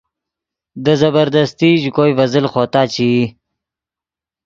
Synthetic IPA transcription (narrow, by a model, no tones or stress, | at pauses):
d̪əzɐbəɾd̪əst̪iʑkoːjvəzəlxoːt̪aːt͡ɕi